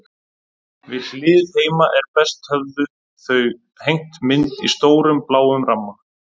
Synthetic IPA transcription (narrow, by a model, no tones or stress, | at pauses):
vɪðlɪːðheːjmaʔɛɾpɛst̪hœvðʏ | θœɥ | hejŋ̥t̪mɪnt̪ist̪oːwɾʏmplaːwʏmramːa